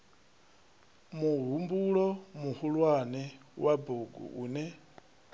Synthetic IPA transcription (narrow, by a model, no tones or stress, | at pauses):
muɦumbuɺɔmuhulwanɛwaboɡṵʔṵːnɛ